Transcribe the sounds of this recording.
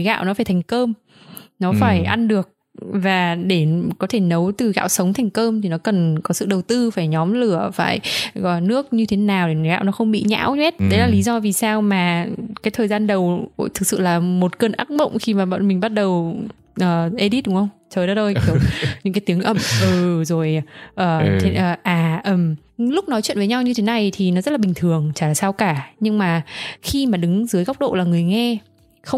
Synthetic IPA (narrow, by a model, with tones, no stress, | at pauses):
ɣa̰ː˧˨wnɔ˨˦faː˧˩jt̪ʰɛ˨˩ŋ̟kəː˧m | nɔ˨˦faː˧˩jʔa˧nɗɨ˨˩ək̚ | vaː˨˩ɗe˧˩kɔ˨˦t̪ʰe˧˩nə˨˦wt̪ɨ˨˩ɣa̰ː˧˨wsə˨˦wŋ͡mt̪ʰɛ˨˩jŋ̟kəː˧mt̪ʰi˨˩nɔ˨˦kə˨˩nkɔ˨˦sɨ̰˧˨ɗə˨˩wt̪ɨ˧faː˧˩jɲɔ˨˦mlɨ˧˩əfa̰ː˧˩jɔ˧˩nɨ˦˥ək̚ɲɨ˧t̪ʰe˨˦naː˨˩wɗe˧˩˨ɣa̰ː˧˨wnɔ˨˦xə˧wŋ͡mɓḭ˧˨ɲa̰ː˧˥wɲwɛ˦˥t̚ɗə˨˦jlaː˨˩li˨˦zɔ˧vi˨˩saː˧wmaː˨˩kaː˨˦jt̪ʰəː˨˩jzaː˧nɗə˨˩wt̪ʰɨ˨˩k̚sɨ̰˧˨laː˨˩mo˨˩t̚kə˧nʔa̰˦˥k̚mə̰˧˨wŋ͡mxi˧maː˨˩ɓa̰˧˨nmi˨˩ŋ̟ɓa˦˥t̚ɗə˨˩w | ʔəː˨˩ʔe˧ɗi˦˥t̚ɗʊ˨˦ŋ͡mxə˧wŋ͡mt͡ɕəː˨˩jɗa˨˦t̪o˧jki˧˩əwɲɨ̰˧˥kaː˨˦jt̪i˨˦əŋʔə˧˩mʔɨː˨˩zo˨˩jʔəː˨˩t̪ʰʔəː˨˩ʔaː˨˩ʔəː˨˩m | lʊ˦˥k͡p̚nɔ˨˦jt͡ɕwḭ˧˨nvːɲa˧wɲɨ˧t̪ʰe˨˦na˨˩jt̪ʰi˨˩nɔ˨˦zə˦˥laː˨ɓï˨˩ŋ̟t̪ʰɨ˨˩əŋt͡ɕaː˧˩laː˨˩saː˧wkaː˧˩ɲɨ˧ŋmaː˨˩xi˧maː˨˩ɗɨ˨˦ŋzɨ˨˦jɣa˦˥wk͡p̚ɗo̰˧˨laː˨˩ŋɨ˨˩əjŋɛ˧ | xə˧wŋ͡m